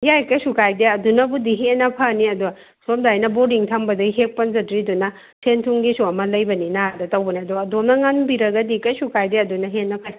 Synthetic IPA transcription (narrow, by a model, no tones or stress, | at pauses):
jajkɐjsukajdeɐdunɐbudiɦenɐpʰɐniɐdu | somdajnɐbodiŋtʰɐmbɐdɐjɦek̚pɐnzɐdɾidunɐ | sʰentʰuŋɡisuɐmɐlɐjbɐninadɐtɐwbɐniɐduɐdomnɐŋanbiɾɐɡɐdikɐjsukajdeɐdunɐɦenːɐpʰani